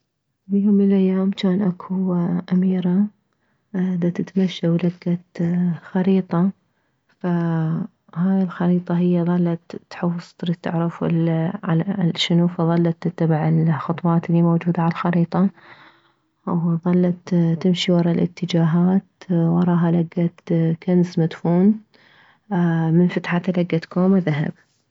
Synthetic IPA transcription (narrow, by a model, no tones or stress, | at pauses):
bjoːmːɪnlʔajːaːmt͡ʃaːnʔakʰuʔamiːɾa | d̪at̪ɪt̪maʃːawlaɡːat̪xɑɾiːt̪ˤɑ | fa | haːjɪlxɑɾiːt̪ˤɑɦɪjːaðˤɑlːɑt̪ːħʊwsˤt̪ˤɾit̪ːa̰ʕɾɪflʕalaʃɪnufɑðˤɑlːɑt̪ɪt̪ːabɪʕɪlxʊt̪ˤwɑːt̪liːmowd͡ʒuːd̪aʕalalxɑɾiːt̪ˤɑ | wðˤɑlːɑt̪t̪ːɪmʃiwɑɾˤɑlʔɪ̰t̪ːɪd͡ʒaːɦaːt̪wɑɾˤɑːɦalaɡːat̪kansmad̪fuːn | mɪnfat̪ħat̪alaɡːat̪kʰoːmðaɦa̰b